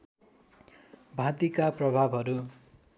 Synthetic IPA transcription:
bʱãt̪ikaprʌbʱabʱɦʌɾu

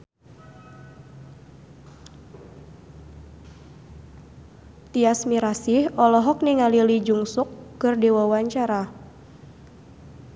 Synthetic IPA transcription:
t̪iasmiɾasihɔlɔɦɔk̚niŋalilid͡ʒuŋsukːɨrdewawaɲt͡ʃaɾa

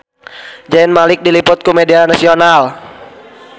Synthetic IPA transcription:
d͡ʒaɪnmalɪk̚dilipʊt̪̚kumedianasional

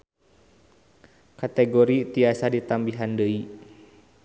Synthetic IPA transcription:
kat̪ɛɡoɾit̪iasadit̪ambiɦandəi

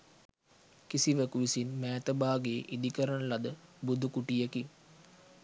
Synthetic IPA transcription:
kisiʋəkuʋisinmɛːt̪əbaːɡeːʔid̪ikəɾənəlad̪əbud̪ʱukuʈijeki

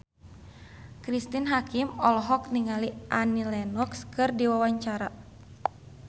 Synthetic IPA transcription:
kɾist̪inɦakimɔlɔɦɔk̚niŋaliʔanilɛnɔkskɨrdiwawaɲt͡ʃaɾa

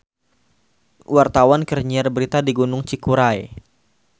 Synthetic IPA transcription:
wart̪awankərɲiarbəɾit̪adiɡunʊŋt͡ʃikuɾaj

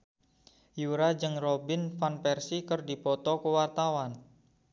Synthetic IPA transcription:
juɾad͡ʒɨŋrɔbɪnfanpɛrsikərdipɔt̪ɔkəwart̪awan

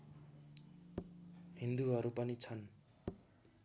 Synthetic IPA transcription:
ɦind̪uɦʌɾupʌnit͡sʰʌn

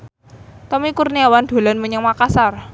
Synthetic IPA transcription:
t̪ɔmikurniawand̪̥o̤lanməɲəŋmakasar

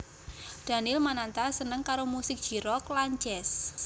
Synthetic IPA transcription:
d̪̥a̤nɪlmanant̪asənəŋkaɾomusɪk̚dʒ̥i̤ɾɔklaɲt͡ʃɛs

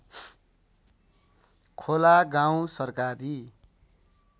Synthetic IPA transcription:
kʰolaɡaw̃sʌrkaɾi

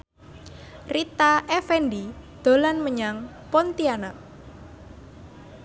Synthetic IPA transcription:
rit̪aʔɛfɛndid̪̥o̤lanməɲaŋ | pɔnt̪iana

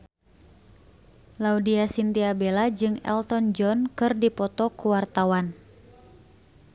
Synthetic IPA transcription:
laudiasint̪iabelad͡ʒɨŋɛ̰lt̪ɔnd͡ʒɔnkɨrdipɔt̪ɔkuwart̪awan

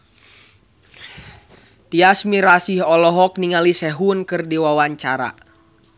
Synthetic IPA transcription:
t̪iasmiɾasiɦɔlɔɦɔk̚niŋalisɛɦunkɨrdiwawaɲt͡ʃaɾa̰

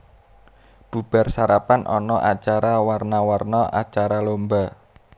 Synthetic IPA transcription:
b̥ṳb̥a̤rsaɾapanʔɔ̰nɔʔat͡ʃaɾawarnawarnɔʔa̰t͡ʃaɾalomba

